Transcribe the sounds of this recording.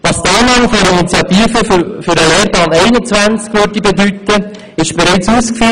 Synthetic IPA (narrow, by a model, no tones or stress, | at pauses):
vɑst̪ɑnɑmfyɾəinit͡sjɑt̪iːfəfyɾəleːɾpɑːnɛɪnət͡svænt͡skvøɾdibed̪yt̪ːə | ɪʃb̥ɛɾɛɪt͡suːskfy